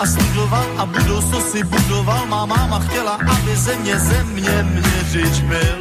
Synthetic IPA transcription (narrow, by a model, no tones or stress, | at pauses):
ʔasluzovat̪ʔabudowt͡sosɪbudovalmaːmaːmaxcɛlaʔabɪzɛmɲɛzɛmɲɛmɲɛrɪd͡ʒbɪl